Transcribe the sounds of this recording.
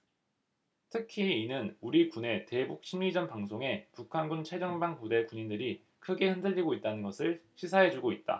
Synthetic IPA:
tʰɯkʰiinɯnuɾikune̞te̞buk̚ɕ͈ʰinid͡ʑʌnpaŋsʰoŋe̞pukʰanɡunt͡ɕʰed͡ʑʌŋbaŋkude̞kuɲindɯɾi | kʰɯɡe̞hɯndɯɭːiɡoit̚t͈anɯnɡʌsʰɯɭɕʰis̬ʰaɦe̞d͡ʑuɡoit̚t͈a̰

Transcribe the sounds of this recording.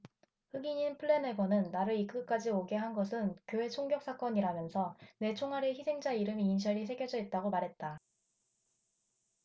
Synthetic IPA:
ɸɯɡiɲinpʰɯɭːe̞neɡʌnɯnːaɾɯɭik͈ɯk͈ad͡ʑioɡe̞ɦanɡʌsʰɯnkjoɦe̞t͡ɕʰoŋɡjʌk̚s͈ʰak͈ʌɲiɾamjʌnsʰʌne̞t͡ɕʰoŋɦaɾeçisʰe̞ŋd͡ʑaiɾɯmiːnɕ̬ʰʌɾis̬ʰe̞ɡjʌd͡ʑʌit̚t͈aɡomaɾɦe̞t̚t͈a

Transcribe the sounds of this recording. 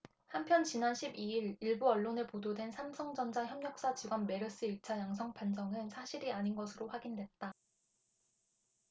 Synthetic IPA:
hampʰjʌnt͡ɕinanɕʰibiiɾiɭbuʌɭːone̞pododwe̞nsʰamsʰʌŋd͡ʑʌnd͡ʑaçjʌmɲʌk̚s͈at͡ɕiɡwanme̞ɾɯs͈ɯiɭt͡ɕʰajaŋs̬ʰʌŋpʰand͡ʑʰʌŋɯnsʰaɕʰiɾiaɲinɡʌsʰɯɾoɸwaɡindwe̞t̚t͈a

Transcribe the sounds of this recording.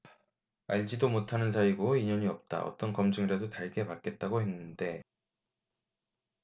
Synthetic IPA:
aʎd͡ʑidomotʰanɯnsʰaiɡoiɲʌɲiʌp̚t͈a̰ʌ̰t͈ʌnkʌmd͡ʑɯŋiɾadotaɭɡe̞pak͈e̞t̚t͈aɡoɦe̞nːɯnde̞

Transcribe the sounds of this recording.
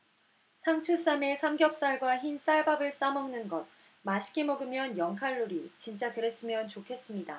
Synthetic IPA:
sʰaŋt͡ɕʰus͈amesʰamɡjʌk̚s͈aɭɡwaçins͈aɭbabɯɭs͈amʌŋnɯnɡʌt̚ | maɕʰi̥k͈imʌɡɯmjʌnjʌŋkʰaɭːuɾit͡ɕint͡ɕ͈akɯɾe̞s͈ɯmjʌnt͡ɕokʰe̞s͈ɯmɲida̰

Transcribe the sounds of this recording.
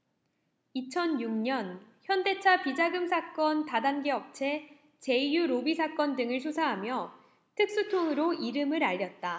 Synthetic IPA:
it͡ɕʰʌnjuŋɲʌnçjʌnde̞t͡ɕʰapid͡ʑaɡɯmsʰak͈ʌntadanɡeʌp̚t͡ɕʰe̞ | t͡ɕe̞ijuɾobisʰak͈ʌndɯŋɯɭs̬ʰosʰaɦamjʌ | tʰɯk̚s͈utʰoŋɯɾoiɾɯmɯɾaʎːʌt̚t͈a

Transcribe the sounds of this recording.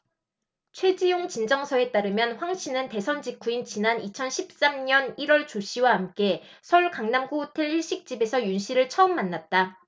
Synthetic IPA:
t͡ɕʰwe̞d͡ʑijoŋt͡ɕind͡ʑʌŋsʰʌe̞t͈aɾɯmjʌnɸwaŋɕʰinɯnte̞sʰʌnd͡ʑikʰuint͡ɕinanit͡ɕʰʌnɕʰip̚s͈amɲʌniɾwʌɭt͡ɕoɕʰiwaɦamk͈e̞ | sʰʌuɭkaŋnamɡoutʰeɭiɭɕ͈ik̚t͡ɕ͈ibe̞sʰʌjunɕʰiɾɯɭt͡ɕʰʌɯmːanːat̚t͈a

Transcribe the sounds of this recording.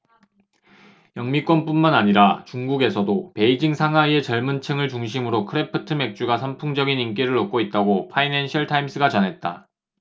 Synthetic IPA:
jʌŋmik͈wʌnp͈unmanaɲiɾat͡ɕuŋɡuɡe̞sʰʌdope̞id͡ʑiŋsʰaŋɦaie̞t͡ɕʌɭmɯnt͡ɕʰɯŋɯɭt͡ɕuŋɕ̬ʰimɯɾokʰɯɾe̞pʰɯtʰɯme̞k̚t͡ɕ͈uɡasʰʌmpʰuŋd͡ʑʌɡinink͈iɾɯɭok͈oit̚t͈aɡopʰainenɕʰʌɭtʰaims͈ʰɯɡat͡ɕʌnɦe̞t̚t͈a̰

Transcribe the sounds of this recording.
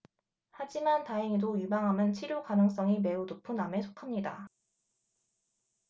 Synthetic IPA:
had͡ʑimantaeŋidojubaŋɦamjʌnt͡ɕʰiɾjokanɯŋs͈ʌŋime̞unopʰuname̞sʰo̥kʰamɲida

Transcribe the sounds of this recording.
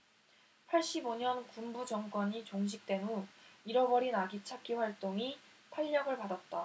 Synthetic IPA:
pʰaɭɕ͈iboɲʌnkumbud͡ʑʌŋk͈wʌɲit͡ɕoŋɕ̬ʰik̚t͈we̞nuiɾʌbʌɾinaɡit͡ɕʰak͈iɸwaɭt͈oŋi | pʰaʎːʌɡɯɭpadat̚t͈a

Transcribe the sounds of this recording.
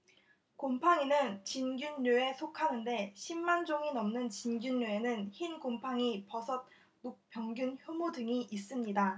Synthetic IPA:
kompʰaŋinɯnt͡ɕinɡjuɲːue̞sʰokʰanɯnde̞ɕʰimːand͡ʑoŋinʌmnɯnt͡ɕinɡjuɲːoe̞nɯnçinkompʰaŋipʌsʰʌt̚ | nuk̚p͈jʌŋɡjunçjomudɯŋiʔis͈ɯmɲida

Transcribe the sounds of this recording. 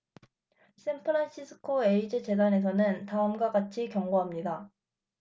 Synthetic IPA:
s͈enpʰɯɾanɕ͈ʰisʰɯ̥kʰoeid͡ʑet͡ɕe̞dane̞s̬ʰʌnɯntaɯmɡwaɡat͡ɕʰikjʌŋɡoɦamɲida

